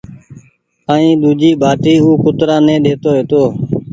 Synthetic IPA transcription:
aːĩːɗ̪uːd͡ʒiːbʱaːʈiːuːkʊt̪ɾãːnɛ̃ːɗeːt̪oːɦeːt̪oː

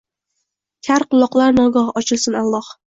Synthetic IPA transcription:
kʲʰaɾqɨlˠːɒqlˠaɾnɒɡɑhɒt͡ʃʰɪlˠsɪnalˠːɒh

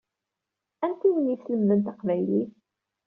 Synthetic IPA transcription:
ænt̪iwənjisləmðənt̪ɑqvæjliθ

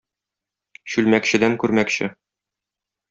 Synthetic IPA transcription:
ɕʉlmækɕɘ̆d̪æŋkʉɾmækɕɘ

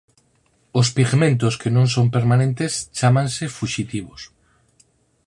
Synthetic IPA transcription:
ospiɣmẽnt̪̬oskenõŋsompeɾmanẽnt̪est͡ʃamãnsefuʃit̪iβ̞os

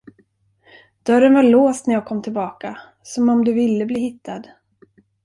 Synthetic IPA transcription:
d̪̥œɾːənvaɭoːst̪næjɑːɡ̚kʰɔmːt̪ʰɪlbɑːka | sɔmɔmd̪ɵvɪlːəbliːhɪt̪ʰːad̪

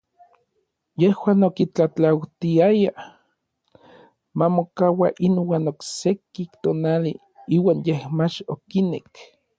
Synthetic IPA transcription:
jehwaːnokit͡ɬat͡ɬawt̪iaja | mamokawaʔinwaːnoksekikt̪oːnalḭ | iːwaːnjehmat͡ʃokinḛk

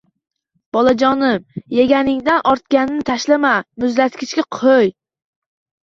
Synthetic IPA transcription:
b̥ɒlˠad͡ʒɒnɪmjeɡʲanɪŋd̪anʔɒɾt̪̚kʲanɪnɪt̪ʰaʃlamamʊzlat̪kʲʰɪt͡ʃkʲaqʰoj

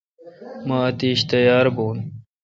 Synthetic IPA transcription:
maːt̪iːɕt̪ɐjaːɾboːn

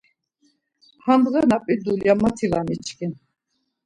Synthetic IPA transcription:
hand̪ɣɛnapʼid̪uljamat̪ʰivanit͡ʃʰkʰʼin

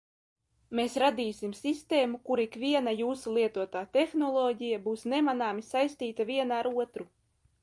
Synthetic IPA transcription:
meːsɾad̪iːsimsist̪eːmukuɾikvʲiɛnajuːsulˠiɛt̪uɔt̪aːt̪exnɔlˠɔːɟʲijabuːsnemanaːmisajst̪iːt̪avʲiɛnaaɾuɔt̪ɾu

